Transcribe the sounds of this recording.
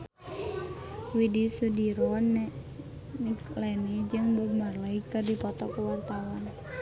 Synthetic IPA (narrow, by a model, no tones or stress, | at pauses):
widisudiɾɔnɛ | niklɛnid͡ʒɨŋbəmarlaikadipɔt̪ɔkəwart̪awan